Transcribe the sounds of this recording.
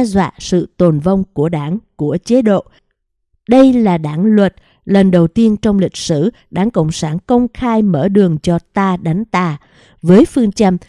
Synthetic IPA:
zwa̰ː˧˨sɨ̰˧˨t̪o˨˩nvə˧wŋ͡mku˧˩əɗaː˧˩ŋku˧˩ət͡ɕe˨˦ɗo̰˧˨ | ɗə˧jlaː˨˩ɗaː˨˩˦ŋlwə˨˩t̚ | lə˨˩nɗə˨˩wt̪i˧ənt͡ɕɔ˧wŋ͡mlï˨˩k̟̚sɨ˧˩ | ɗaː˨˦ŋkə̰˧˨wŋ͡msaː˧˩nkə˧wŋ͡mxaː˧jmə̰ː˧˩ɗɨ˨˩əŋt͡ɕɔ˧t̪aː˧ɗa˨˦ŋ̟t̪aː˧˩ | vəː˨˦jfɨ˧əŋt͡ɕə˧m

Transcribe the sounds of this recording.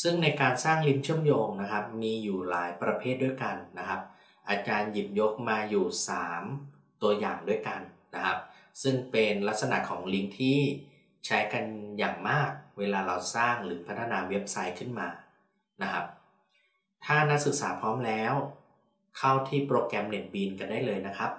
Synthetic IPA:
sɯ˥˩ŋna˧jkaː˧nsaː˥˩ŋli˦˥ŋt͡ɕʰɯ˥˩əmjoː˧ŋna˦˥kʰa˦˥p̚miː˧juː˨˩laː˩˦jpɾa˧pʰeː˥˩t̪̚du˥˩jka˧nːa˦˥kʰa˦˥p̚ | ʔaː˧t͡ɕaː˧nji˨˩p̚jo˦˥k̚maː˧juː˨˩saː˩˦m | t̪u˧ɐja̰ː˨˩ŋdu˥˩əjka˧nːa˦˥kʰa˦˥p̚sɯ˥˩ŋpe˧nla˦˥t̪̚sa˧na̰˨˩kʰɔː˩˦ŋli˦˥ŋt̪ʰiː˥˩ | t͡ɕʰa˦˥jka˧njaː˨˩ŋmaː˥˩k̚weː˧laː˧ɾa˧wsaː˥˩ŋɾɯː˩˦pʰa˦˥t̪ʰa˧naː˧we˦˥p̚sa˦˥jkʰɯ˥˩nmaː˧ | na˦˥kʰa˦˥p̚ | t̪ʰaː˥˩na˦˥k̚sɯ˨˩k̚saː˩˦pʰɔː˦˥mlɛː˦˥w | kʰa˥˩wt̪ʰiː˥˩pɾoː˧kɾɛ˧mne˨˩t̪̚biː˧nka˧ndaː˥˩jlɤː˧jna˦˥kʰa˦˥p̚

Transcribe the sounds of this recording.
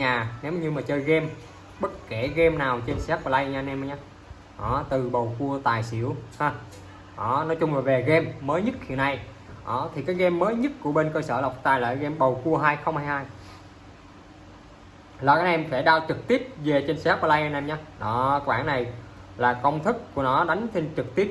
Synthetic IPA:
ɲaː˨˩ne˨˦wma˨ɲɨ˧maː˨˩t͡ɕəː˧jɣɛ˧m | ɓə˦˥t̚ke˧˩ɣɛ˧mnaː˨˩wt͡ɕe˧nsaː˦˥k̚vaː˧la˧jʔɲaː˧nʔɛ˧ma˧˩ɲaː˧ | ʔɔ˧˨˩t̪ɨ˨˩ɓə˨˩wku˧ət̪aː˨˩jsḭ˧˩˥əwhaː˧ | ʔɔ˨˩˦nɔ˨˦jt͡ɕʊ˧ŋ͡mlaː˨˩ve˨˩ɣɛ˧mːəː˨˦jɲɨ˦˥t̚hḭ˧˨əna˧j | ʔɔ˨˩t̪ʰi˨˩kaː˨˦jɣɛ˧mːəː˨˦jɲɨ˦˥t̚ku˧˩əɓe˧nkəː˧səː˧˩la˨˩wk͡p̚t̪aː˨˩jlə̰ː˧˨ɣɛ˧mɓə˨˩wku˧əɦaː˧jxə˧ŋ͡mhaː˧jhaː˧j | laː˨˩ʔnʔɛ˧mfe˧˩ɗaː˧wt͡ɕɨ˨˩k̚t̪i˦˥əp̚ve˨˩t͡ɕe˧nsaː˦˥k̚va˧la˧jʔa˧nʔɛ˧mɲaː˧ɗɔ˨˦˧ɓaː˧˩na˨˩jlaː˨˩kə˧wŋ͡mt̪ʰɨ˦˥k̚ku˧˩ənɔ˨˦ɗa˨˦jŋ̟t͡ɕʰe˧nt͡ɕɨ˨˩k̚t̪i˦˥əp̚

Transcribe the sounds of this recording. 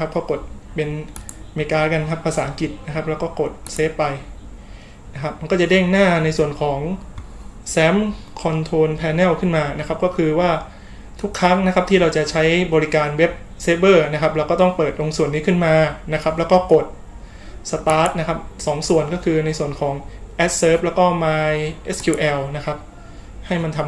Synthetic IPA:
a˦˥p̚kʰɔː˥˩ko˨˩t̪̚pe˧nmeː˧˩kaː˧˥ka˧nkʰa˦˥pʰːaː˧saː˩˦ʔa˧˦ŋki˨˩t̪̚na˦˥kʰa˦˥p̚lɛː˦˥wkɔː˥˩ko˨˩t̪̚seː˦˥pːa˧j | na˦˥kʰa˦˥p̚ma˧nkɔː˥˩t͡ɕa˨˩de˥˩ŋnaː˥˩na˧jsu˨˩ənkʰɔː˩˦ŋ | sɛː˦˥m | kʰɔ˧nt̪ʰoː˧npʰɛː˧nɛː˥˩wkʰɯ˥˩nmaː˧na˦˥kʰa˦˥p̚kɔː˥˩kʰɯː˧waː˥˩ | t̪ʰu˦˥kʰːɾa˦˥ŋna˦˥kʰa˦˥p̚t̪ʰiː˥˩ɾa˧wt͡ɕa˨˩t͡ɕʰa˦˥jbɔː˧ɾi˦˥kaː˧nwe˦˥p̚ | seː˦˥bɤː˥˩na˦˥kʰa˦˥p̚lːwkɔː˥˩t̪ɔ˥˩ŋpɤː˨˩t̪̚lo˧ŋsu˨˩ənːiː˦˥kʰɯ˥˩nmaː˧na˦˥kʰa˦˥p̚lɛ˦˥wkɔː˥˩ko˨˩t̪̚ | sa˧t̪aː˦˥t̪̚na˦˥kʰa˦˥p̚sɔː˩˦ŋsu˨˩ənkɔː˥˩kʰɯː˧na˧jsu˨˩ənkʰɔː˩˦ŋʔɛ˦˥t̪̚sɤː˦˥p̚lɛː˦˥wkɔː˥˩maː˧jʔe˦˥skʰjuː˧ʔɛː˧wna˦˥kʰa˦˥p̚ | ha˥˩jma˧nt̪ʰa˧m

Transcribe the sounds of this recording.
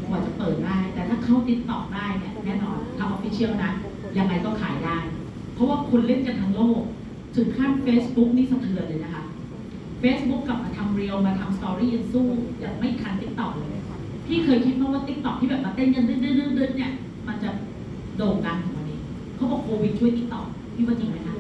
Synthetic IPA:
kʰɔː˨˩t͡ɕa˨˩pɤː˨˩t̪̚daː˥˩jt̪ɛː˨˩t̪ʰaː˥˩kʰa˥˩wt̪i˦˥t̪̚t̪ɔ˨˩k̚daː˥˩jni˥˩ɐnɛː˥˩˨nɔː˧nt̪ʰa˧mʔɔ˧˥fi˦t͡ɕʰi˥˩əwna˦˥ʔ | ja˧ŋːa˧jkɔː˥˩kʰa̰ː˩˦jdaː˥˩j | pʰɔ˦˥waː˥˩kʰu˧nle˥˩nka˧nt̪ʰa˦˥ŋloː˥˩k̚ | t̪ʰɯ˨˩˦ŋkʰa˥˩nfeː˦˥sbu˦˥k̚niː˦˥˩sa˨˧˩t̪ʰɯ˨˩˦əlɤː˧jna˦kʰa˦˥p̚ | feː˦˥sbu˦˥kla˨˩p̚maː˧t̪ʰa˧mɾi˧ə˧wmaː˧t̪ʰa˧mst̪ɔː˧ɾiː˥˩ja˧ŋsuː˥˩jaː˨˩ŋma˥˩jkʰa˧nt̪i˦˥k̚t̪ɔ˨˩k̚lɤː˧jna˦˥˩ | p̪ʰiː˥˩kʰɤː˧jkʰi˦t̪̚kʰɔ˦˥waː˥˩t̪i˦˥k̚t̪ɔ˨˩k̪̚ʰiː˥˩bɛː˨˩p̚maː˧t̪e˥˩nka˧ndɯ˥˩dɯ˥˩ɾɯː˥˩ndɯ˦˥˩t̪̚ni˥˩ɐ | ma˧nt͡ɕa˨˩ | doː˨˩t̪̚ka˧ŋt̪ʰɯ˨˩˦ŋwa˧nʔiː˦˥ | kʰɔ˦˥bɔː˨˩p̚kʰoː˧wi˦t̪̚t͡ɕʰu˥˩˨jt̪i˦˥t̪ɔ˨˩k̚ | tʰiː˥˩waː˥˩t͡ɕi˧ŋma˦˥jkʰa˦˥

